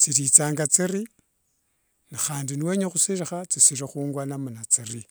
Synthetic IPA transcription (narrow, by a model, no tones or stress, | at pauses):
t͡sitit͡saːŋɡat͡siri | nixaːndiniweːɲexusiɾixat͡sisiɾixuːŋɡwanamunat͡siri